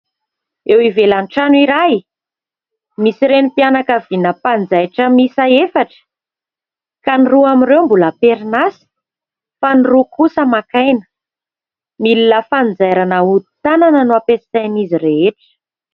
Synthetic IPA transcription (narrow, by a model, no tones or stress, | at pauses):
ewivelanʈ͡ʂaniɾaɦ | misiɾenipianakəvinəpand͡zajʈ͡ʂəmisaefaʈ͡ʂə̥ | kaniruamiɾewmbuləpeɾinasi̥ | fanirukusəmakajnə̥ | milinəfand͡zajɾanəud̪i̥t̪ananənuapestanizireeʈ͡ʂə̥